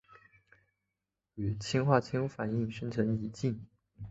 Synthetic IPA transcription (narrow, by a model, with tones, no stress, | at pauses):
y˨˩t͡ɕʰi˥ŋxwa˥˩t͡ɕʰi˥ŋfa˨˩ni˥˩ŋʂə˥nt͡sʰɤ˧˥ŋi˧˥t͡ɕi˥˩ŋ